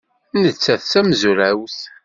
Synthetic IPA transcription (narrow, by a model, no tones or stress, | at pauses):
nət͡sːæθsæmzuɾæwθ